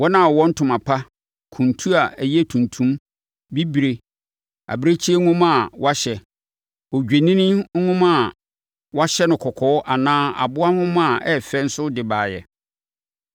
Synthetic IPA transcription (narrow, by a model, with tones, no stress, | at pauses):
wɔ˦nã˦˨ɔ˨wɔ̃˦n̩˦tʰʊ̃˨mã˨pʰa˦ | kʰũ˨ntʰu˦a˨æ˨jɛ˦˨tʰũ˨ntʰũ˦m | bi˦bi˨ɾe˨ | a̰˨bɾe˦t͡ɕʰi˦e˦ŋʊ̃˦mã˦˨wa˦ɕɛ˨ | ɔ˨d͡ʑᶣe˨nĩ˦nĩ˦ŋʊ̃˦mã˦˨ | wa˦ɕɛ˦nʊ̃˨kʰɔ˨kʰɔː˨˦ʔa˨nãː˦a̰˨bʊ˦a˦hʊ̃˦mã˦˨ɛ˦fɛ˦n̩˦sʊ˦dɪ˨baː˨jɛ̰˨